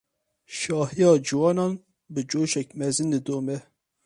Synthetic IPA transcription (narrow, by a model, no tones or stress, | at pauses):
ʃɑːhijɑːd͡ʒɨwɑːnɑːn | bɨd͡ʒoːʃɛk̚mɛzɨndɨd̪oːmɛ